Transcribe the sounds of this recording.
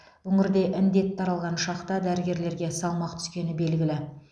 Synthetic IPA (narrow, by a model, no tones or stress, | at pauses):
wɵŋɪɾd̪e̞ʔɪnd̪e̞t̪t̪ʰːɑɾɑlˠʁɑnʃɑqt̪ɑd̪æɾɪɡʲe̞ɾle̞ɾɡʲe̞sɑlˠmɑqt̪ʰʏ̥skʲe̞nɪbe̞lɡʲɪlɪ